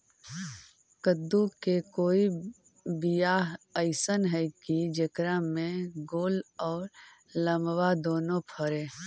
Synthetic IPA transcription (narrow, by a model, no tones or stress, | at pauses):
kəd̪ukekoːi | bijaɦəɪsənɦɛkid͡ʒəkɾamẽɡoːlɔːɾ | ləmwad̪oːnõpʰəɾeː